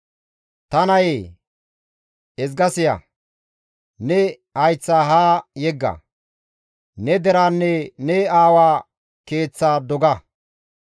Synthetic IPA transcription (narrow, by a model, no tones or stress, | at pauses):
t̪ɐnɐjeː | ɛzɡɐsɪjɐ̰ | nɛ | hɐjt͡sːaːɦaːjɛɡːɐ̰ | nɛd̪ɛɾaːnːɛnɛaːwaː | ke̞ːt͡sːaːd̪ɔɡɐ